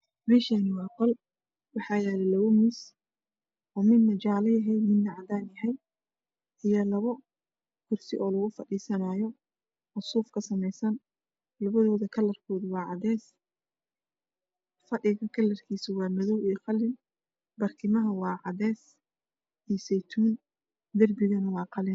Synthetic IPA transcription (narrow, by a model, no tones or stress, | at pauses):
mɛːʃanɪwɑːqɔl | wɑħɑːjɛːlɛlɐwʊmɪs | ʔɔːmɪnːɐt͡ʃɑʕlɐjɐɦɛjmɪd̪nɐʕɑd̪aːnjɐɦɛj | ʔɪjɐlɐβɔ | kʰʊrsɪʔɔːlɐɣʊfɐɖiːsɐnaːjɔ | ʔɔsuːfkʰɐsɐmɛjsɐn | lɐβɐðɔːðɐkʰɐlɐrkʰɔːðʊwɑːʕɑðɛːs | fɐɗɪɣɐkʰɐlːɐrkʰiːsʊwɑːmɐðɔwijqɑlɪn | bɐrkʰɪmɐɦɐwɑːʕɑðɛːs | ʔisɛjt̪ʰuːn | d̪ɐrbɪɣɐnɐwɑːqɑlɪn